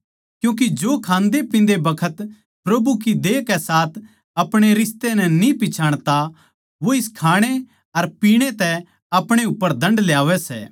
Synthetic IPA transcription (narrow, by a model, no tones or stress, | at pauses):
kjũːk̬id͡ʒoːkʰãːnd̪epɪ̃nd̪ebɐkʰət̪ | pɾɐbukid̪eːkɛsaːt̪ʰ | ɐpɽ̃eɾɪst̪enɛnĩpɪt͡ʃʰaːɽ̃t̪a | ʋoɪskʰaːɽ̃e | ɐɾpiːɽ̃et̪ɛ | ɐpɽ̃eʊpːəɾd̪ʱɐ̃ɳɖljaːʋɛsɛ̰ː